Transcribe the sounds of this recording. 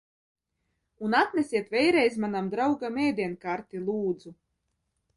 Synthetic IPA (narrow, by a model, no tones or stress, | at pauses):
unat̪nʲɛsʲiɛt̪vʲɛjɾɛjzmanamd̪ɾawɡamɛːd̪ʲiɛnkaːɾt̪ilˠuːd̪zu